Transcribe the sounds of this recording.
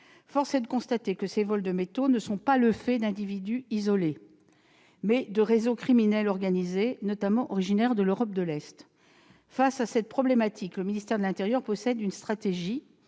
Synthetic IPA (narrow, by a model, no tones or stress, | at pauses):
fɔʁsed̪əkɔ̃st̪at̪ekəsevɔld̪əmet̪onəsɔ̃paləfɛd̪ɛ̃d̪ivid̪yizɔle | mɛd̪əʁezokχiminɛlɔʁɡanizenɔt̪amɑ̃ʔɔʁiʒinɛʁd̪əløʁɔp̚d̪əlɛst̪ | fasasɛt̪̚pχɔblemat̪ʰikləminist̪ɛʁd̪əlɛ̃t̪eʁjœʁpɔsɛd̪ynst̪χat̪eʒi